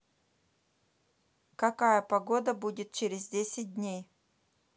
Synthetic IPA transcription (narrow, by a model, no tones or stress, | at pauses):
kɐkajəpɐɡod̪əbudʲɪt̪̚t͡ɕeɾʲɪzdʲesʲɪt̚ʲdʲnʲej